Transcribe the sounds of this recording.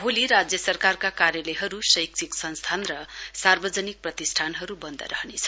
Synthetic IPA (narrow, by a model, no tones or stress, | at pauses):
bʱoliɾad͡zjʌsʌrkarkakaɾjʌlʌjɦʌɾusʌjk̚t͡sʰiksʌnst̪ʰanrʌsarbʌd͡zʌnik̚prʌt̪isʈʰanɦʌɾubʌnd̪ʱʌ̰ɾʌ̰ɦnet͡sʰʌ̥